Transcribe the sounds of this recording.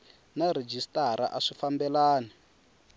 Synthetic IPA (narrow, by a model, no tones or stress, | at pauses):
naɾed͡ʒistaɾa̰ʔaʂifambɛlaːni